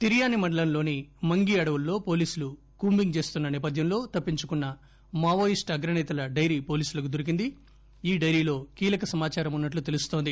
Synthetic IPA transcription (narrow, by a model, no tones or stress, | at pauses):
t̪iɾijaːnimɐɳɖɐlɐnlo̞ːnimɐŋɡiɐɽɐʋulːo̞ːpo̞ːliːsulu | kuːmbiŋɡt͡ʃe̞ːst̪unːɐnɛːpɐd̪ʱjɐmlo̞ːt̪ɐpːiɲt͡ʃukunːɐ | maːʋoːjisʈɐɡɾɐnɛːt̪ɐlɐɖɐjɾiːpo̞ːliːsulɐk̬ud̪uɾik̬ind̪i | iːɖɐjɾiːlo̞ːkiːlɐkɐsɐmaːt͡ʃaːɾɐmunːɐʈ̬lut̪e̞lust̪o̞ːnd̪i